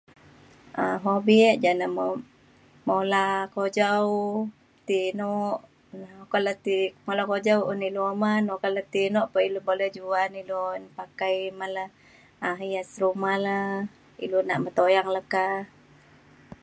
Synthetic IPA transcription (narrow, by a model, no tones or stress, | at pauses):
aɦobiʔd͡ʒanamo | molakod͡ʒaw | t̪inɔʔ | naokalət̪imolakod͡ʒawuniluomanokalət̪inɔʔpailubolɛd͡ʒuanilunpakajmalə | aɦijasɾumala | ḭlunaʔmət̪ojaŋləka